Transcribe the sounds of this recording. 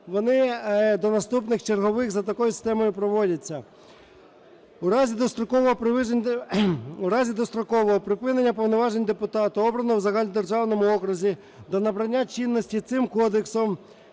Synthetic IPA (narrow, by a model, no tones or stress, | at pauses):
ʋɔnɪd̪ɔnɐst̪upnɪxt͡ʃerɦɔʋɪxzɐt̪ɐkɔjʊsʲɪ̥st̪ɛmɔjʊpɾɔʋɔdʲɐt͡sʲːɐ | uɾɑzʲid̪ɔst̪ɾɔkɔʋɔɦɔpɾɪ | uɾɑzʲid̪ɔst̪ɾɔkɔʋɔɦɔpɾɪpɪnenʲːɐpɔwnɔʋɑʒenʲd̪epʊt̪ɑt̪ʊɔbɾɐnɔwzɐɦɑlʲid̪e̞rʒɑwnɔmʊɔkɾʊzʲi | d̪ɔnɐbɾɐnʲːat͡ʃʲinːɔsʲtʲit̪sɪmkɔd̪eksɔm